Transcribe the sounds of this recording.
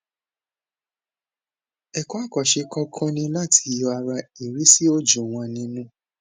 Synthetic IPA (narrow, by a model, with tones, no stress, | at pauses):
ɛ˨kɔ˦a˦˨kɔ˨ʃe˧kɔ˦kʰɔ̃˦nĩ˧la˦˨tʰi̥˧jɔ˧a˧ɾa˧i˨ɾi˨˦si˦o˦d͡ʒu˨w̃ɔ̃˧nĩ˧nũ˦